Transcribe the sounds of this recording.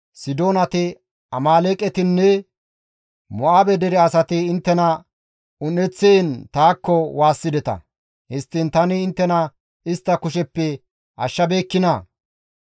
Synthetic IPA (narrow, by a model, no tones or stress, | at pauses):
sɪd̪o̞ːnɐt̪ɪ | ɐmaːleːkʼɛt̪ɪnːɛ | mɔʔaːbɛd̪ɛɾɛɐsɐt̪ɪːnt̪ːɛnɐ | ʊnɛt͡sːeːnt̪aːkːɔwaːsːɪd̪ɛt̪ɐ̰ | hɪst̪ːɪnt̪ɐnɪːnt̪ːɛnɐ | ɪst̪ːɐkʊʃɛpːɛ | ʔɐʃːɐbe̞ːkːɪnɐ